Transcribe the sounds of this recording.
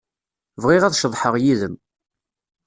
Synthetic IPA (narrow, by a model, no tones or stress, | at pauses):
vʁɪʁæðʃəðˤħəʁjiðəm